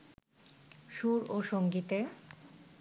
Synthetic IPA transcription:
ʃuɾoʃoŋɡit̪e

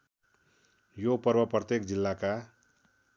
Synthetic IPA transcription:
jopʌrbʌprʌt̪jekd͡zilːaka

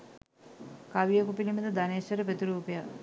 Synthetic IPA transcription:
kaʋijekupiliməd̪əd̪aneːsʋɐɾəpet̪iɾuːpeja

